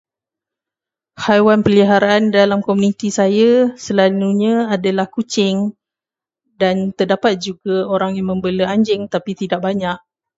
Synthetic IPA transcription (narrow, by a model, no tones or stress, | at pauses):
hajwanpəliɦaɾaʔandalamkomunit̪isajasəlaluɲãadalahkut͡ʃɪŋ | dant̪ərdapat̪̚d͡ʒuɡaoɾaŋjaŋmə̃mbələaɲd͡ʒɪŋt̪apit̪idaʔ̚baɲaʔ̚